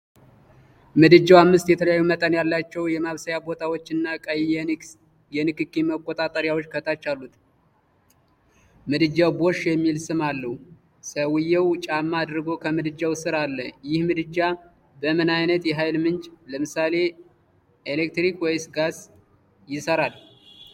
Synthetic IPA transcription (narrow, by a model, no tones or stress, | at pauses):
mɨd̪ɨd͡ʒːawamːɨst̪jɛt̪ʰələjajːumət̪ʼənjalːat͡ʃːɛwjɛmaβsəjabo̞t̪ʰawot͡ʃːɨnːakʼəj | jɛnɨkɨkʼːiməkʼot̪ʼat̪ʼəɾjawot͡ʃːkʰət̪ʰat͡ʃːalːut̪ | mɨd̪ɨd͡ʒawbo̞ʃjɛmːilsɨmalːəhu | səwɨjːɛwt͡ʃʼamːaːd̪ɾɨɡo̞kʰəmɨd̪ɨd͡ʒawsɨɾalːəjɪhmɨd̪ɨd͡ʒa | bəmɨnajnət̪jɛɦajlmɨnt͡ʃʼləmɨsale̞ | elek̚t̪ɾikwɛjsɡas | jɪsəɾal